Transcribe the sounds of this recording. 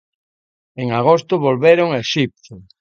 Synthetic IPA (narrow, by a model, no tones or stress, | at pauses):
eŋaɣ̞ost̪ʊβolβeɾʊŋaeʃip̚t̪o